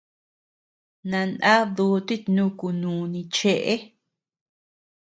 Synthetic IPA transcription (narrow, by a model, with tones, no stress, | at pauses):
nã˧nã˦ðuː˧˦t̪i˦t̪nũ˦ku˧nũː˨nĩ˧t͡ʃe˦ʔe˦